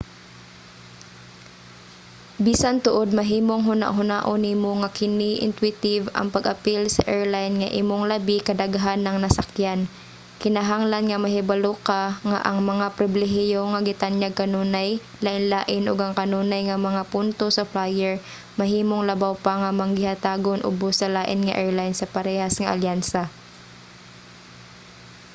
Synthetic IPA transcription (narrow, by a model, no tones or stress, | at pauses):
biːsant̪ʊʔod̪̚mɐɦiːmoŋɦʊna̰ʔɦʊna̰ʔonimoŋɐkɪnɪʔɪ̰nt̪wɪt̪ɪvɐ̰ŋpɐɡʔɐpilsɐʔɛɹlajnŋɐʔimoŋlabɪkɐd̪aɡɦanːɐŋnɐsakjan | kɪnaɦaŋlanŋɐmɐɦɪbalokaŋa̰ʔɐŋmɐŋapɾɪblɛɦɪjoŋɐɡɪt̪anɲaɡ̚kɐnuːnaj | laʔɪnlaːʔɪnʔoɡɐŋkɐnuːnɐjŋɐmɐŋapʊnt̪osɐflajɛɹ | mɐhiːmoŋlɐbawpɐŋɐmɐŋɪhat̪aːɡonʔʊ̰bosɐlaːʔɪnŋɐ̰ʔɛɹlajnsɐpɐɾɛhasŋɐʔɐ̰ljansa